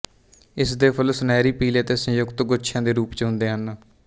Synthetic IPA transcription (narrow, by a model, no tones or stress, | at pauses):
ɪsd̪eːpʰəlsnɛːɾiːpiːleːt̪eːsə̃jʊkt̪ɡʊʃʰãːd̪eːɾuːpt͡ʃɦʊ̃nd̪eːɦən